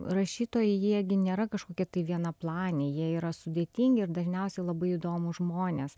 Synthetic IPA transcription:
rɐʃʲiːt̪oːjɛjiɛɡʲɪnʲeːɾɐkɐʃkoːkʲɛt̪ɐɪʋʲiɛnɐplˠɑːnʲeːjiɛiːɾɐsʊd̪ʲeːt̪ʲiŋʲɡʲɪɪɾd̪ɐʒʲnʲɛʊsʲɛɪlˠɐbɐɪiːd̪oːmʊʒmoːnʲeːs

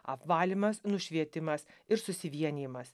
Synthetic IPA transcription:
ɐpʋɑːlʲɪmɐsnʊʃʲʋʲiɛt̪ʲɪmɐsɪɾsʊsʲɪʋʲiɛnʲiːmɐs

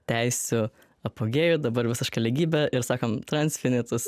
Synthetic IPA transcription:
t̪ʲɛɪsʲʊ | ɐpoːɡʲeːjʊːd̪ɐbɐɾʋʲɪsʲɪʃkɐlʲɪɡʲiːbʲɛɪɾsɑːkɐmt̪ɾɐnʲsʲfʲɪnʲɪt̪ɐs

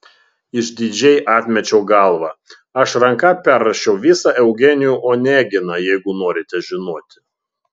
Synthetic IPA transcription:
ɪʒd̪ʲɪd͡ʒʲɛɪʔɑːt̪ʲmʲɛt͡ʃʲɛʊɡɐlˠʋɑ | ɐʃɾɐŋkɑpʲɛɾːɐʃʲɛʊʋʲɪsɑʔɛʊɡʲɛnʲɪjuːʔoːnʲæːɡʲɪnɑjɛɪɡʊnoːɾʲɪt̪ʲɛʒʲɪnoɔːt̪ʲɪ̥

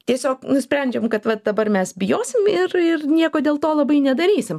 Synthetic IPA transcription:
t̪ʲiɛsʲoːknʊsʲpʲɾʲɛnʲd͡ʒʲɛmkɐt̪ʋɐd̪ɐbɐrmʲɛsbʲɪjoːsʲɪmɪrɪrnʲiɛkoːdʲeːlˠt̪oːlˠɐbɐɪnʲɛd̪ɐɾʲiːsʲɪm

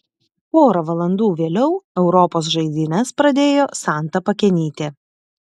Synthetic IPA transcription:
oːɾɐʋɐlˠɐnd̪uːʋʲeːlʲɛʊɛʊɾɔpoːsʒɐɪd̪ʲɪnʲɛspɾɐd̪ʲeːjoːsɑˑnt̪ɐpɐkʲɛnʲiːt̪ʲɪ

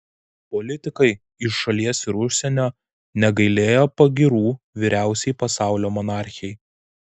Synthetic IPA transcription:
pɔlʲɪt̪ʲɪkɐɪ | ɪʃːɐlʲiɛsɪɾʊʃʲsʲɛnʲoː | nʲɛɡɐɪlʲeːjoːpɐɡʲɪɾuː | ʋʲiːɾʲæˑʊsʲɛɪpɐsɑˑʊlʲoːmɔnɑˑɾʲxʲɪjɛɪ

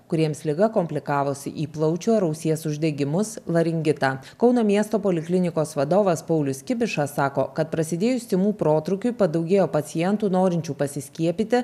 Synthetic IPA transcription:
kʊɾʲiɛmslʲɪɡɐkoːmʲpʲlʲɪkɑːʋoːsʲɪ̰ʔiːplˠɐʊt͡ʃʲuːɐɾɐʊsʲiɛsʊʒʲd̪ʲɛɡʲɪmʊslˠɐɾʲɪŋʲɡʲɪt̪ɑːkɒʊnoːmʲiɛst̪oːpoːlʲɪklʲɪnʲɪkoːsʋɐd̪oːʋɐspɐʊlʲʊsʲkʲɪbʲɪʃɑsɑːko̰ːkɐt̪̚pɾɐsʲɪd̪ʲeːjʊsʲt̪ʲɪmuːpɾoːt̪ɾʊkʲʊɪpɐd̪ɐʊɡʲeːjoːpɐt̪sʲɪjɛnt̪uːnoːɾʲɪnʲt͡ʃʲuːpɐsʲɪsʲkʲiɛpʲit̪ʲɪ

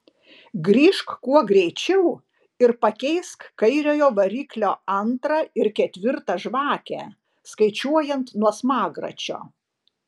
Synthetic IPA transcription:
ɡɾʲiːʃkkuɔɡɾʲɛɪt͡ʃʲɛʊ | ɪɾpɐkʲɛɪskkɐɪɾʲoːjoːʋɐɾʲiːklʲoːɐnt̪ɾɐɪɾkʲɛt̪ʲʋʲɪɾt̪ɐʒʋɑːkʲæ̰ | skɐɪt͡ʃʲuɔjɛnt̪nuɔsmɑːɡɾɐ̰t͡ʃʲo̰ː

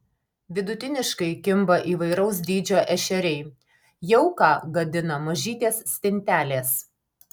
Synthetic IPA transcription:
ʋʲɪd̪ʊt̪ʲɪnʲɪʃkɐɪkʲɪmbɐʔiːʋɐɪɾɐʊs̬d̪ʲiːd͡ʒʲoːʔɛʃʲɛɾʲɛɪ | jɛʊkɑːɡɐd̪ʲɪnɐmɐʒʲiːt̪ʲeːsːʲt̪ʲɪnʲt̪ʲæːlʲeːs

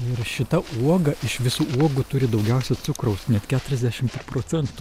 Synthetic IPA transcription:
ɪrʃʲɪt̪ɐʔuɔɡɐʔɪʃʋʲɪsuːʔuɔɡʊt̪ʊɾʲɪd̪ɒʊɡʲɛʊsʲɛsʊkɾɐʊsnʲɛt̪kʲæːt̪ʊɾʲɛzʲd̪ʲæʃʲɪmppɾoːt͡s̪ʲɛnt̪u

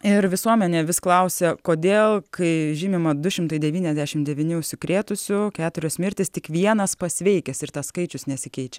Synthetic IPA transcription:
ɪɾʋʲɪsuɔmʲɛnʲeːʋʲɪsklˠɐʊsʲɛkoːd̪ʲeːlˠkʰɐɪʒʲiːmʲɪmɐd̪ʊʃʲɪmt̪ɐɪd̪ʲɛʋʲiːnʲɛzʲd̪ʲæʃʲɪmd̪ʲɛʋʲiːnʲʊʊʃʲsʲɪkɾʲeːt̪ʊsʲʊkʲæːt̪ʊɾʲoːsmʲɪɾʲt̪ʲɪst̪ʲɪkʋʲiɛnɐspɐsʲʋʲɛɪkʲɛsɪɾt̪ɐsskɐɪt͡ʃʲʊsnʲɛsʲɪkʲɛɪt͡ʃʲɛ

